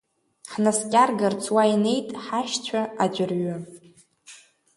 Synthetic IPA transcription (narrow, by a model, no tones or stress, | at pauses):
ħnaskʲʼarɡart͡sʰwaine̞jtʼħaʃt͡ɕʷʰaad͡ʒʷɪrɥʊ